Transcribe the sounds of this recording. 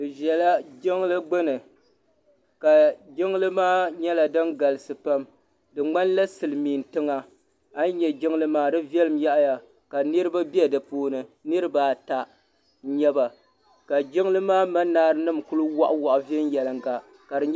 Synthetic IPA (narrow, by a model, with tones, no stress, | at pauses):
ɨ˨ʒɛ˨la˦d͡ʒɪ˦ŋlɨ˦ɡ͡bɨ˦nɨ˨ | ka˨d͡ʒɪ˦ŋ˦lɨ˦maː˦ɲɛ˦la˨dɨ˦nɡa˨lɨ˨sɨ˨pa˦m | dɨ˨ŋ͡ma˦nla˦sɨ˨lɨ˨miː˨n˨tɨ˦ŋa˨ | a˦n˦ɲɛ˨d͡ʒɪ˦ŋlɨ˦maː˦dɨ˦vjɛ˦lɨ˨mja˦ʔja˨ | ka˨nɨ˦ɾɨ˦ba˦bi˦ɛ˦dɨ˨poː˦nɨ˦nɨ˦ɾɨ˦baː˨˦ta˨˦ | ɲɛ˦ba˨ | ka˨d͡ʒɪ˦ŋ˦lɨ˦maː˦ma˦naː˦ɾɨ˦nɨ˦˨mku˦lɨ˦wa˦ʔʊ˦wa˨ʔʊ˨vɛ˦n˦jɛ˨lɨ˨ŋɡa˨ | ka˨dɨ˨ɲ˦